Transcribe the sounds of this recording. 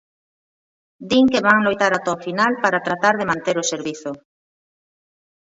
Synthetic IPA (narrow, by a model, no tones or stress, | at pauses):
d̪iŋkeβaŋlojt̪aɾat̪ɔfinalpaɾat̪ɾat̪aɾð̞emãnt̪eɾoseɾβiθʊ